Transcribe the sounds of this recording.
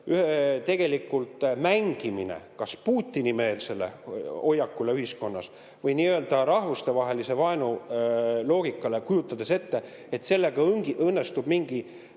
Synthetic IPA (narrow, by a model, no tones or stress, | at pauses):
yhet̪e̞ɡ̥e̞likːˑult̪ˑmæŋɡ̥iminḛkɑspuːt̪ʲːinime̞ːlse̞le̞̰o̞jːɑkːˑule̞yhisko̞nːɑs | vɤjniːøld̪̥ɑɾɑhvust̪e̞vɑɦe̞lise̞vɑenu | lo̞ːɡ̥ikːˑɑle̞kujut̪ˑːɑd̪̥e̞se̞t̪ːe̞ | et̪se̞lːe̞ɡ̥ɑŋɡɤnːe̞st̪ub̥miŋɡ̥i